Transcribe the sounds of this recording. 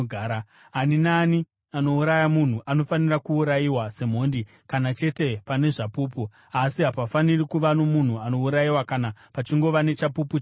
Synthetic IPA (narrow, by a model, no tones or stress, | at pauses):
ɡʱaːɾa | aninaːni | ano̞uɾajamun̤uʔano̞fanirakuːɾajiwase̞m̤o̞ndi | kanat͡ʃe̞te̞pane̞ʐapuːpu | asiɦapafanirikuʋano̞mun̤uano̞uɾajiwakanapat͡ʃiŋɡo̞ʋane̞t͡ʃapuput͡ʃ